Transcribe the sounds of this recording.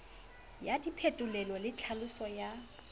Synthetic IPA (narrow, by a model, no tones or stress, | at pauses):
jadipʰetʼʊlɛlɔlɪt͡ɬʰalʊsɔja